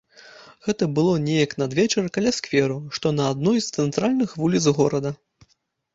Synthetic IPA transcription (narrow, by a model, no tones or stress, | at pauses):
ɣɛt̪ɐbɨlˠɔnʲɛjɐknɐd̪vʲɛt͡ʂɐrkalʲaskvʲɛɾuʂt̪ɔnɐad̪nɔjst̪sɛnt̪ɾalʲnɨxvulʲit̪sɣɔɾɐd̪ɐ